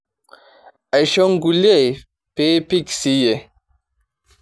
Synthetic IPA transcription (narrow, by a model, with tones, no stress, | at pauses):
ɛ˨ʃɔ˦ŋ˦ɡu˨le˦˨ | peː˦pi˦ksi˦je˨